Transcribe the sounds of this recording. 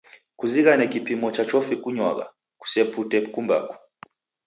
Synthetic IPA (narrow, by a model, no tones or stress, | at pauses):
kuziɣanɛkipimɔt͡ʃat͡ʃɔfikuɲwa̰ɣa̰ | ku̥sɛputɛkumba̰ku̥